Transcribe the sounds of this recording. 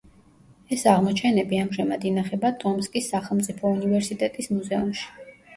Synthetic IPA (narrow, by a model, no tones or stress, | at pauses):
ɛsaʁmɔt͡ʃʰɛnɛbiamʒɛmad̪inaχɛbat̪ʼɔmskʼisːaχɛlˠmt̪sʼipʰɔunivɛɾsit̪ʼɛt̪ʼismuzɛumʃi̥